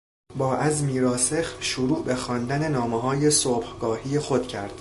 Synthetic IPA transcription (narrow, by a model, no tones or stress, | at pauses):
bɒːʔæzmiːɾɒːse̞xʃuɾuːbexɒːnd̪æne̞nɒːmeɦɒːje̞sob̥hɡ̥ɒːhiːjexod̪̥cʰæɾd̪̥